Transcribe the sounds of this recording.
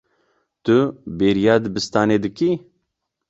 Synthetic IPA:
t̪ʊbeːɾijaːd̪ɨbɨst̪aːneːd̪ɨkiː

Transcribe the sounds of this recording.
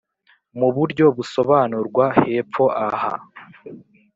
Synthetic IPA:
muβuɾɟo̞βuso̞βaːnuɾɡwahe̞ːpp͡fo̞ʔaha̰

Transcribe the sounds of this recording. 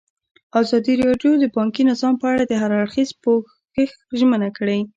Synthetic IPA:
ɑzɑd̪iɾɑɖjod̪əbɑŋkinɪzɑmpəaɽad̪əɦaɾaɽxizpo | əx | ʒmənakəɽej

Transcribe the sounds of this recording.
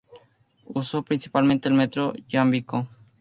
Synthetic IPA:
usopɾinsi̥palmẽnt̪eelmet̪ɾod͡ʒambiko

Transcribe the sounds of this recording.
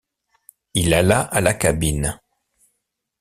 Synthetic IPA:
ilalaʔalakabin

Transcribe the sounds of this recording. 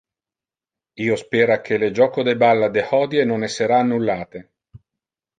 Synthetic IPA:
iːospeːɾak̟ʰeled͡ʒɔːkod̪ebalːad̪ehɔːd̪jenonɛsːeɾaːnːulːaːt̪e

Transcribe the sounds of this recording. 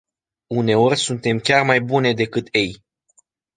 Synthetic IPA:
une̞o̞rʲsunt̪e̞mkʲarmajbune̞d̪e̞kɨt̪ʰe̞j

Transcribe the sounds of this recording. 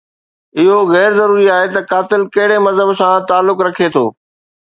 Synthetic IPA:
ɪɦoɣɛːɾzɐɾuːɾiaːɦet̪ɐkaːt̪ɪlkɐɦɪɽemɐzɦəbsãt̪aːlːʊkɾɐkʰet̪ʰoː

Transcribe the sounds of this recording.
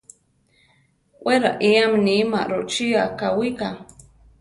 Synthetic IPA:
wʔeɾa̰ʔiamnima̰ɾot͡ʃiakawika

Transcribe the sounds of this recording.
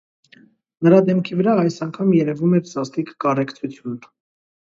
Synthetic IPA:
nəɾɑd̪ɛmkʰivəɾɑɑjsɑŋkʰɑmjɛɾɛvumɛɾzɑst̪ikːɑrɛkʰt͡sʰut͡sʰjun

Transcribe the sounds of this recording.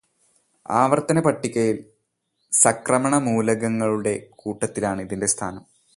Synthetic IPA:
aːʋɐrt̪ɐnɐpɐʈːikʲːɐjil | sɐkrɐmɐɳɐmuːlɐɣɐŋːɐɭuɽe̞kuːʈːɐt̪ːilaːɳɨiðinde̞st̪ʰaːnɐm

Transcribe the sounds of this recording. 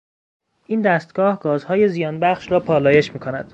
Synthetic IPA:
ʔiːnd̪æst̪ɡ̥ɒːhɡ̥ɒːzhɒːje̞zijɒːnbæχʃɾɒːpʰɒːlɒːje̞ʃmiːkʰonæd̪̥

